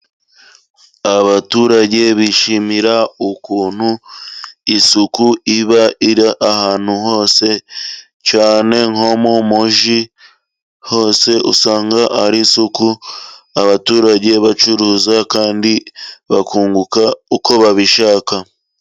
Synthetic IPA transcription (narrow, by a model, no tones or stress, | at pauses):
aβatuːɾaɟe̞βiʃimiɾaukuːn̥hu | isukuiβaʔiɾaʔahaːn̥huho̞ːse̞ | t͡ʃaːne̞ŋho̞momoʒi | ho̞ːse̞ʔṵsaːŋɡaʔaɾisukuaβatuːɾaɟe̞βat͡ʃuɾuːzakaːndiβakuːŋɡukaukʰo̞βaβiʃaːka